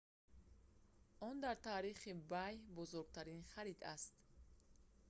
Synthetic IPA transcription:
ɔnd̪aɾt̪ʰaːɾiχibajbɔzɔɾɡ̚t̪ʰaɾinχaɾid̪a̰st̪

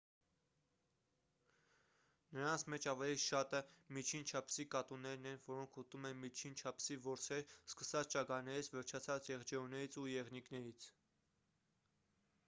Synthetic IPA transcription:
nəɾɑnt͡sʰmɛt͡ʃʰɑvɛliʃɑt̪əmit͡ʃʰint͡ʃʰɑpʰsikɑt̪unːɛɾnɛnvɔɾɔŋkʰut̪umɛnmit͡ʃʰint͡ʃʰɑpʰsivɔɾt͡sʰɛɾskəsɑt͡sʰt͡ʃɑkɑnɛɾit͡sʰvɛɾt͡ʃʰɑt͡sʰɑt͡sjɛʁd͡ʒɛunɛɾit͡sʰujɛʁniknɛɾit͡sʰ

